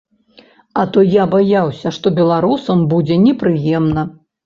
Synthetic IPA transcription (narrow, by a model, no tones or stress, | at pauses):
ɐt̪ɔjabajawsʲɐʂt̪ɔbʲɛlˠaɾusɐmbud͡zʲɛnʲɛpɾɨjɛmnɐ